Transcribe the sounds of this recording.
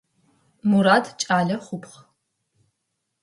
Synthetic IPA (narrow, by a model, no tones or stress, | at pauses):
muɾaːdʰt͡ʃʼaːɮɐχʷʊpʰχ